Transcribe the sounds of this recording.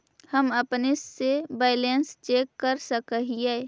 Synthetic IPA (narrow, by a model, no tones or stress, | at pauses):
həməpnesːebaːɪlenst͡ʃeːkːəɾsəkəɦijeː